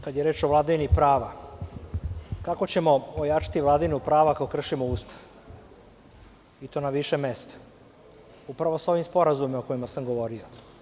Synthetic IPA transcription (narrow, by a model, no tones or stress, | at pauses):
kad̪jeɾe̞ːt͡ʃoʋlˠad̪aʋinipɾaːʋa | kako̞t͡ɕe̞mo̞ojaːt͡ʃḁt̪iʋlˠad̪aʋinupɾaːʋakakokr̩ʃimouːst̪ʰḁʋ | it̪o̞ːnaʋiʃemeːst̪ḁ | upɾaʋo̞sao̞ʋimspo̞ɾazumimoko̞jimasamɡo̞ʋo̞ɾio